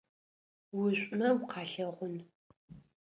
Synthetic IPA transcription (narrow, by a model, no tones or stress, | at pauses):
wʊɕʷʼmɐwqʰɑːɬɐʁʷʊn